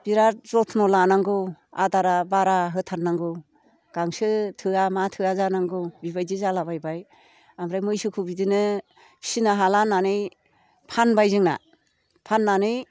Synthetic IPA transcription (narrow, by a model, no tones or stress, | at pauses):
b̥iɾazɔtʰnɔlanaŋɡɯa̰daɾabaɾaɦɯtʰaɾnaŋɡɯ | ɡ̥aŋsɯtʰɯamatʰɯazanaŋɡɯbibajdizalabajbaj | amɾajmɯjsɯkʰubidɯnɯ | sinaɦalanːanɯj | pʰanbajzɯŋna̰ | pʰanːanɯj